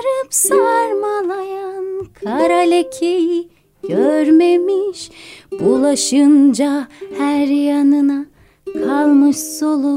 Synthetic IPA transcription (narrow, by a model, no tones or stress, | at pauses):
ɾɯpsaaɾmalˠajankʰaɾalʲecʰeji | ɟ̥øɾmemiʃb̥ulˠaʃɯnd͡ʒahæɾjanɯna | kʰalˠmɯʃso̞lˠu